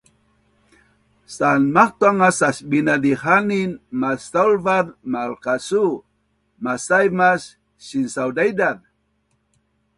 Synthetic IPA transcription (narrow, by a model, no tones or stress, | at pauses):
sanmaχt̪waŋasaʃbinad̪ihaninmasalvaðmalkasu | masajmas | ʃinsawd̪ajd̪að